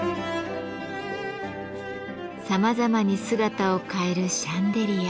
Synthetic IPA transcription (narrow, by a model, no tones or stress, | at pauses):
samazamaɲ̟isɨɡat̪ao̞kae̞ɾɯ̟ɕãnd̪e̞ɾʲija